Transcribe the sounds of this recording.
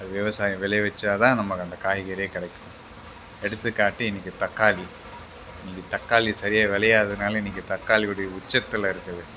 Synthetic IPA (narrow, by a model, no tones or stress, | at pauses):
ɐðɯʋjɐʋɐsaːjɐ̃ʋɛlɐjʋɐt͡ʃːaːðaːnɐmːɐkɐnd̪ɐkaːɦɪɣɐɾeːkɐɽɛkːɯʋɯ | ɛɽɯt̪ːɯkːaːʈːiɪnɪkːɯt̪ɐkːaːli | ɪnɪŋɡɯt̪ɐkːaːlisɐɾɪjaːʋɛlɐjaːðɯnaːlɐɪnɪkːɯt̪ɐkːaːliuɽɐjɐʊt͡ʃːɐt̪ːɐlːɐɪɾɯkːɐðɯ